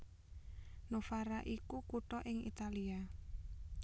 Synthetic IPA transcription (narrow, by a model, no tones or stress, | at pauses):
nofaɾaʔikukuʈɔʔɪŋḭt̪alia